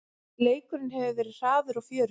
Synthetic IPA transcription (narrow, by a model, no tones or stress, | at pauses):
leːjkʏɾɪnhɛvʏvɛːɾɪð̥r̥aːðʏɾafjœːɾ